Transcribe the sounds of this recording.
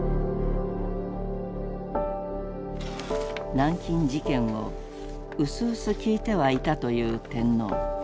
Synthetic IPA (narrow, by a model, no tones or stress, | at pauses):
nãŋkʲĩɲ̟d͡ʑikẽ̞ɰ̃o̞̰ | ɯ̟sɨːsɨkʲiːt̪e̞βait̪at̪o̞jɯ̟ːt̪ẽ̞nːo̞̰ː